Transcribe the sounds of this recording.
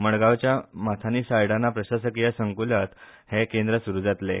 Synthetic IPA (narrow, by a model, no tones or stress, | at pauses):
məɽɡawt͡ɕjamat̪ʰaniːsajɽanːapɾəɕas̬əkijasəŋkulət̪hekend̪ɾəsuɾud͡zat̪lḛ